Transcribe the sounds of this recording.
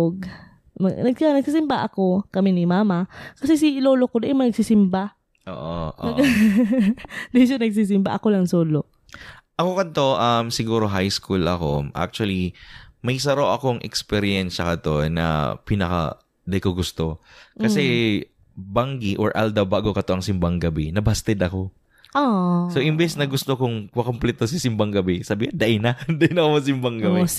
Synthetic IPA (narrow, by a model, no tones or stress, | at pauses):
ɡ̚ | mɐnɐɡ̚nɐɡ̚siːsɪmbaʔɐko̞kɐmɛnɪmaːmɐkɐsɛs̬iloːlokod̪ɐʔɛmɐnɐɡsisɪmba | ʔo̰ːʔo̰nɐɡ | d̪ɪʃanɐɡ̚s̬is̬ɪmba̰ʔɐkolɐŋsoːlo | ʔɐkokɐnt̪o̞ʔɐmsɪɡuːɾo̞ɦajskulʔɐ̰ko̞̰ʔa̰k̚t͡ʃuɐlimɐjs̬ɐɾoʔɐko̞ŋʔɛ̰kspɛɾiɛnʃɐkɐt̪o̞nɐ̰pinɐkɐ̰ | d̪ɐjkoɡʊst̪o̞kɐsɛ | baŋɡiʔoɹʔa̰ld̪ɐbaːɡokɐt̪oʔɐŋsɪmbɐŋɡɐbɛnɐbast̪ɛd̪ɐko̞ | osoʔɪmbɛsnɐɡʊst̪o̞kʊŋmɐkomplɛt̪osisɪmbɐŋɡɐbɛsɐbihand̪ɐʔɪnɐd̪ɐʔɪnɐkomɐs̬ɪmbɐŋɡɐbɛ